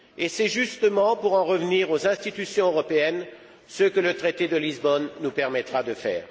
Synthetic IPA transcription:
esɛʒyst̪əmɑ̃puʁɑ̃ʁəvniʁozɛ̃st̪it̪ysjɔ̃øʁɔpeɛn | səkələt̪χet̪ed̪əlizbɔnːupɛʁmɛt̪χad̪əfɛ̰ːʁ

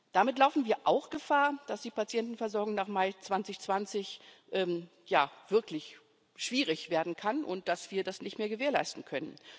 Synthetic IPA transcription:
d̥amɪtlaʊfn̩viːɐʔaʊxɡ̥əfaːɐd̥asd̥iːpat͡sjɛntn̩fɛɐzɔɐɡʊŋnaːχmaɪt͡sv̥ant͡sɪçt͡sv̥ant͡sɪçʔɛːm | jaːv̥ɪɐklɪç | ʃv̥iːʁɪçv̥eːɐdn̩kʰanʔʊ̰nt̚d̥asv̥iːɐdasnɪçtmeːɐɡəveːɐlaɪstn̩kʰœnə̰n

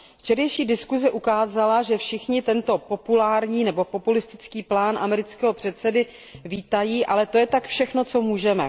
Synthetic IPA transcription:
ft͡ʃɛdɛjʃiːdɪskuzɛʔukaːzalaʒɛfʃɪxɲɪt̪ɛnt̪o̞po̞pulaːɾɲiːnɛbo̞po̞pulɪst̪ɪ̥t͡skiːplaːnʔamɛɾɪt͡skɛɦo̞pr̥ɛt̪t͡sɛdɪ | viːt̪ajiːʔalɛt̪o̞jɛt̪akfʃɛxno̞t͡so̞muːʒɛmɛ̰

